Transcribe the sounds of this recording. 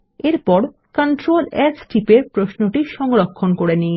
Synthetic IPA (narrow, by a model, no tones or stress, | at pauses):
eɾpɔɾ | kaɳʈɾolɛd͡ʑʈipepɾosnoʈiʃɔŋɾokʰːonkoɾenij